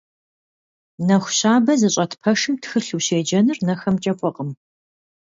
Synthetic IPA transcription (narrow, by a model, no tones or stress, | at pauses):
nɐxʷɕaːbɐzɨɕʼɐtʰpʰɐʂɨmtxɨɬuːɕeːd͡ʒɐnɨrnɐxɐmt͡ʃʼɐkʷʼɔqʼəm